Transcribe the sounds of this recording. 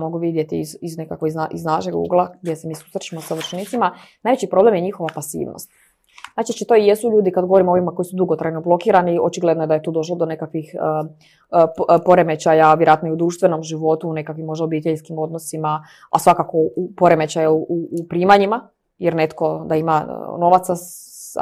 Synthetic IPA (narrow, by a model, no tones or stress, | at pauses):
mo̞ɡuʋid̪je̞t̪iziznekakʋoizaʔiznaʃeɡṵɡlˠaɡ̚d̪jesemiːsu̥sɾet͡ɕimo̞saʋrt͡ʃnit̪sima | naːjʋet͡ɕipɾo̞blemje̞ɲixo̞ʋapasḭːʋno̰st̪ | znaːt͡ʃit͡ʃit̪o̞ijesuʎuːd̪ikad̪ɡo̞ʋo̞ɾimoo̞ʋimako̞jisud̪uɡo̞t̪ɾajno̞blo̞kiːɾanio̞t͡ʃiɡled̪nojd̪aje̞t̪uːd̪o̞ʃ̬lod̪one̞kakʋixə | po̞ɾe̞me̞t͡ɕajaʋjeɾoaːt̪noiud̪ɾuːʃt̪ʋe̞no̞mʒiʋo̞t̪uːne̞kakʋimo̞ʒd̪ao̞biːt̪eʎskimo̞d̪no̞sima | a̰sʋakako̞upo̞ɾeme̞t͡ɕajauʔuːpɾiːmaɲima | jeɾne̞t̪ko̞d̪aima̰no̞ʋat̪sa̰